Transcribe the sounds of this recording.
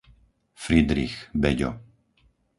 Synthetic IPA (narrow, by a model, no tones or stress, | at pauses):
fɾid̪ɾixbɛɟɔ̰